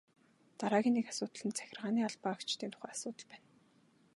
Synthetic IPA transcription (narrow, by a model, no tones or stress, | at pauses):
t̪aɾaːɣʲiːnːekasʊːt̪ə̆ɮə̆nt͡sʰæ̥xʲɪ̆rʁaːniːaɮpaːakt͡ɕt̪iːnt̪ʰʊ̥χæːasʊːt̪ə̆ɮpæːn